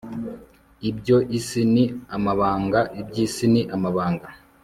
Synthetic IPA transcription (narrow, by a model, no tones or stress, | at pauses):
ibjɟoʔisiniamaβaːŋɡaʔib̚ɟiːsiniʔamaβaːŋɡa